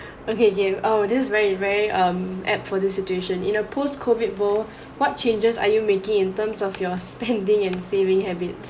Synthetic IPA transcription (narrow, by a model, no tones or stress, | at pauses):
okeokeodissvɛɹivɛɹiʔʌ̃mʔɛp̚fɔdisːit͡ʃueʃə̃nḭ̃nəpʰoskʰovit̚bɔl | wɔt̚t͡ʃẽnd͡ʒəsa̰jumekɪ̃ŋĩntəmsɔfjɔspɛ̃ndɪ̃ŋɛ̃nsevɪ̃ŋhɛbits